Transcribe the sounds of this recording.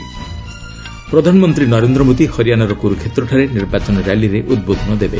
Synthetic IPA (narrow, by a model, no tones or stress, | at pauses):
pɾɔd̪ʱanɔmɔnt̪ɾinɔɾend̪ɾɔmod̪ihɔɾijanaɾɔkoɾukʰet̪ɾɔʈʰaɾeniɾbat͡ʃɔnɔɾjaliɾeʔud̪̚bod̪ʱɔnɔd̪ebe